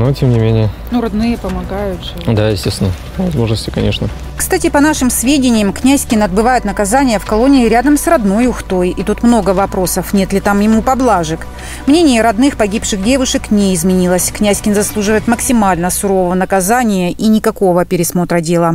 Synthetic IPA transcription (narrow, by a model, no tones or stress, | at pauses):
notʲemnʲɪmʲenʲɪjənuɾɐd̪nɨjəpəmɐɡajʊt̪ʐɨd̪ajɪsʲtʲest̪ʲɪnə | vɐzmo̞ʐnəsʲtʲɪ̥kɐnʲeʂnə | kst̪atʲɪpɐnaʂɨmsvʲedʲɪnʲɪjəmknʲæsʲkʲɪnɐd̪̚bɨvajʊt̪nəkɐzanʲɪjəfkɐlˠo̞nʲɪːɾʲad̪əmsrɐd̪no̞jʊxt̪o̞jit̪ut̪mno̞ɡəvɐpɾo̞səfnʲe̞t̪lʲɪt̪amjɪmupɐblˠaʐɨk | mnʲenʲɪjəɾɐd̪nɨxpɐɡʲipʂɨxdʲe̞vʊʂɨknʲeɪzmʲɪnʲilˠəsʲknʲæsʲkʲɪnzɐslˠuʐɨvəjɪt̪məksʲɪmalʲnəsʊɾo̞vəvənəkɐzanʲɪjəʔinʲɪkɐko̞vəpʲɪɾʲɪsmo̞t̪ɾədʲe̞lˠə